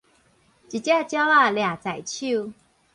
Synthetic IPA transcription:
t͡ɕi˨˩t͡ɕja˥˧t͡ɕja˦a˥˩lja˨˩t͡sa˨˩jt͡ɕʰu˥˧˨

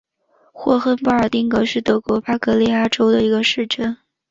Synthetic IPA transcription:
xwɔ˥˧xə˥npu˥˩ə˞˨˩t̪i˥˩ŋkɤ˧˥ʂɻ̩˥˩t̪ɤ˧˥kwɔ˧˥pa˥kɤ˧˥li˥a˥˩ʈ͡ʂo˥ʊd̪ə˨i˧˥ɡə˧ʂɻ̩˥˩ʈ͡ʂə˥˩n

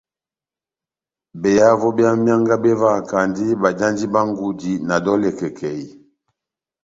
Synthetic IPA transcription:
bɛ˨ja˦vɔ˦bja˦mja˦ŋɡa˦bɛ˦va˦˨ka˨ndi˦ba˨d͡ʒa˦ndi˦ba˦ŋ˦ɡu˦di˨na˨dɔ˦lɛ˨kɛ˨kʰɛ˨i˨

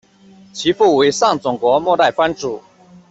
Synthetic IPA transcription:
t͡ɕʰi˧˥fu˥˩we˧˥ɪʂɑ˥˩ŋt͡sʊ˨˩ŋkwɔ˧˥mwɔ˥˧t̪a˥˩ɪfwa˥nʈ͡ʂu˨˩˦

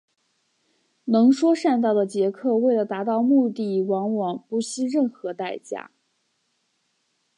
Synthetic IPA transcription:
nɤ˧˥ŋʂwɔ˥ʂa˥˧nt̪ɑ˥˩ʊd̪ə˩t͡ɕjɛ˧˥kʰɤ˥˧we˥˩ɪlə˩t̪a˧˥t̪ɑ˥˧ʊmu˥˧t̪i˥˩wɑ˧˥ŋwɑ˨˩ŋpu˧˥˩ɕi˥ɻə˥˩nxɤ˧˥t̪a˥˩ɪt͡ɕja̰˥

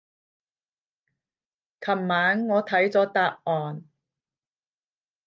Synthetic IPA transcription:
kʰɐ˨˩mːaː˨˥nːɔː˨˧t̪ʰɐ˨˥jt͡sɔː˨˥t̪aː˧p̚ʔɔː˨n

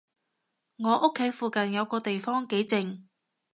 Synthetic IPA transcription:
ŋɔː˨˧ʔʊ˥kʰːe˨˥jfuː˨kɐ˨njɐ˨˧wkɔː˧t̪e˨jfɔː˥ŋke˨˥jt͡sɪ˨ŋ

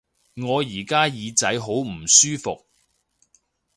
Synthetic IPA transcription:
ŋɔː˨˧jiː˨˩kaː˥jiː˨˧t͡sɐ˨˥jɦo˨˥wm̩˨˩syː˥fʊ˨k̚

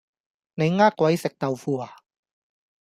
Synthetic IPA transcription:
ne˨˦jŋaː˥˩kːwa˨˧˥jse˨˩k̚t̪a˨wfu˧˩a˨˩

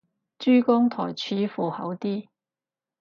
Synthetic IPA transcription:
t͡ʃyː˥kʊ˥ŋt̪ʰɔ̰ː˨˩jt͡ʃʰyː˨˥fuː˨hɐ̰˨˥wt̪iː˥

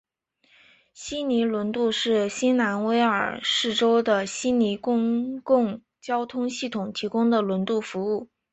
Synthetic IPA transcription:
ɕi˥ni˧˥lwə˧˥nt̪u˥˧ʂɻ̩˥˩ɕi˥nna˧˥nwe˥ɪə̰˞˨˩ʂɻ̩˥˩ʈ͡ʂo˥ʊd̪ə˨ɕi˥ni˧˥kʊ˥˧ŋkʊ˥˩˧ŋ | t͡ɕjɑ˥ʊt̪ʰʊ˥ŋɕi˥˩t̪ʰʊ˨˩ŋt̪ʰi˧˥kʊ˥ŋd̪ə˨lwə˧˥nt̪u˥˩fu˧˥u˥˩

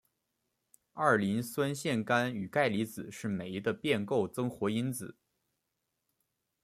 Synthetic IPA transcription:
ɑ˥˩li˧˥nswə˥nɕjɛ˥˩nka˥ny˨˩ka˥˩ɪli˧˥t͡sɹ̩˨˩˦ʂɻ̩˥˩me˨˩ɪ˧˥d̪ə˧pjɛ˥˧nko˥˩ʊt͡sɤ˥ŋxwɔ˧˥i˥nt͡sɹ̩˨˩˦

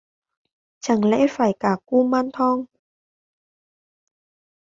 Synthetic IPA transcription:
t͡ɕa˧˩ŋlɛ̰˧˥faː˧˩jkaː˧˩ku˧maː˧nt̪ʰɔ˧ŋ

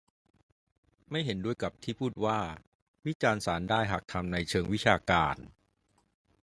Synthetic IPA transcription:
ma˥˩jɦe˩˦ndu˥˩əjka˨˩p̚t̪ʰiː˥˩pʰuː˥˩t̪̚waː˥˩ | wi˦˥t͡ɕaː˧nsaː˩˦ndaː˥˩jɦa˨˩k̚t̪ʰa˧mna˧jt͡ɕʰɤː˧ŋwi˦˥t͡ɕʰaː˧kaː˧n

